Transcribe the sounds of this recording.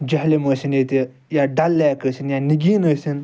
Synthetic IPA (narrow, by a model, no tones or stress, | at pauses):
d͡ʒɐɦleməːsinet̪e | jaɖalːaːkəsinjaniɡiːnəsin